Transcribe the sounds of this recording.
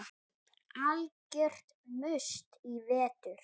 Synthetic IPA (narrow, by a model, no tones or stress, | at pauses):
alcɛr̥t̪ | mʏst̪ivɛːt̪ʏɾ̥